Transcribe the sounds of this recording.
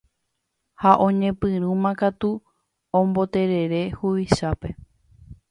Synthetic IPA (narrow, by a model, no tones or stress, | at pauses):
haʔõ̞ɲẽ̞pɨɾũmãkat̪u | õmbo̞t̪e̞ɾe̞ɾe̞huʋiʃape̞